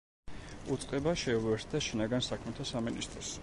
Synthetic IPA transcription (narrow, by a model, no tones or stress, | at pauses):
ut̪sʼqʼɛbaʃɛuwɛɾt̪̚ʰd̪aʃinaɡansakʰmɛt̪ʰasaminist̪ʼɾɔs